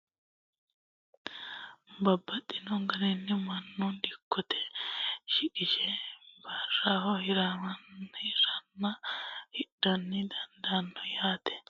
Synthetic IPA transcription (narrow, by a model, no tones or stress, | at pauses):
bɐbːɐt̪ʼːɪnɔŋɡɐɾɛnːɪmɐnːʊnd̪ɪkʰːɔt̪ʰɛ̥ʃɪkʼɪʃɛbɐrːaːhɔhɪɾamɐnhɪɾɐnːɐhɪᶑːɐnːɪd̪ɐnd̪anːɔjaːt̪ɛ̥